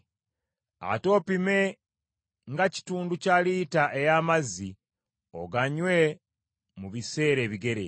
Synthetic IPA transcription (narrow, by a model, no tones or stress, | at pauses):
a̰to̞ːpime̞ | ŋɡaci̥tuːnducalitaʔejaːmazi | o̰ɡaɲwe̞ | muβise̞ːɾe̞ːβiɡe̞ɾḛ